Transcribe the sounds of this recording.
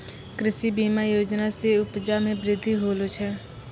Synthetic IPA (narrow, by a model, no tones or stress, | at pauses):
kɾɪsibiːmajoːd͡ʒnaseʊpd͡ʒamẽbɾɪd̪ʱːiɦoːlʊt͡ʃʰɛː